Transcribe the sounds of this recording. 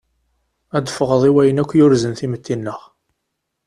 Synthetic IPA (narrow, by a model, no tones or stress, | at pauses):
æd̪əfəʁəðˤiwæjənækʷːjʊɾzənθimət̪ʰːinːəʁ